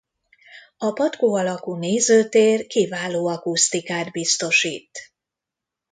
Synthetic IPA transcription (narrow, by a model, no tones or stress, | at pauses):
ɒpɒt̪koːɒlɒkuneːzøːt̪eːrkivaːloːɒkust̪ikaːd̪bist̪o̞ʃiːt̪